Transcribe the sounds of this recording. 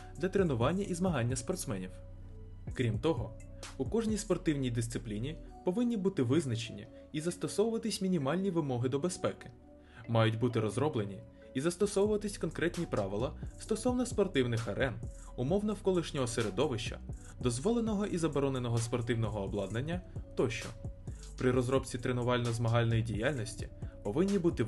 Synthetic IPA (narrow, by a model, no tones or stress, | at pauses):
d̪lʲɐt̪ɾenʊʋɑnʲːɐʔizmɐɦɑnʲːɐspɔrt̪smɛnʲiw | kɾʲimt̪ɔɦɔ | ukɔʒnʲijspɔrt̪ɪwnʲijd̪ɪst̪sɪplʲinʲipɔʋɪnʲːibut̪ɪʋɪznɐt͡ʃenʲːḭ | izɐst̪ɔsɔʋʊʋɐt̪ɪsʲmʲinʲimɑlʲnʲiʋɪmɔɦɪd̪ɔbespɛkɪ̥ | mɑjʊtʲbut̪ɪɾɔzɾɔblenʲi | izɐst̪ɔsɔʋʊʋɐt̪ɪsʲkɔnkɾɛt̪ʲnʲipɾɑʋɪlˠɐst̪ɔsɔwnɐspɔrt̪ɪwnɪxɐɾʔɛn | ʊmɔwnɐwkɔlˠɪʃnʲɔɦɔseɾed̪ɔʋɪʃt͡ʃɐ̰ | d̪ɔzʋɔlˠenɔɦɔʔizɐbɔɾɔnenɔɦɔspɔrt̪ɪwnɔɦɔːblˠɑd̪nenʲːɐt̪ɔʃt͡ʃɔ̰ | pɾɪɾɔzɾɔpt͡sʲit̪ɾenʊʋɑlʲnɔzmɐɦɑlʲnɔjidʲijalʲnɔsʲtʲipɔʋɪnʲːibut̪ɪ